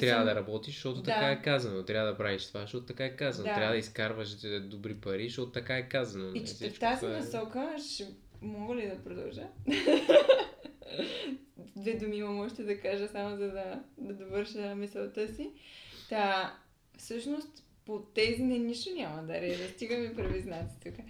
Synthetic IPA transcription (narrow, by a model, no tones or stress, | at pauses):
t̪ɾavəd̪ɐɾɐbɔt̪iʒʃt̪ɔt̪odt̪akaɛkazɐnot̪ɾʲjavəd̪ɐpɾaviʃt̪ovaʃɔt̪ot̪ɐkaɛkazɐnod̪aɾʲavəd̪əiskaɾvəʃd̪obɾipɐɾizʃt̪ɔt̪ot̪ɐkaɛkazɐnoit͡ʃɛ̥sft̪azinɐsɔkəʃɛ | mɔɡəlid̪ɐpɾod̪ɐ̰lˠʒə | d̪vɛd̪omimɐmɔʒɛt̪ɛd̪ɐkaʒəsamozɐd̪ɐd̪ɐd̪ovɤɾʃəmisɛlˠt̪əsi | a | fsɤʃnost̪ | pot̪ɛzinɛniʃt̪onʲamɐd̪ɐɾɛʒɐst̪iɡəmipɾɛviznat̪i̥t̪uka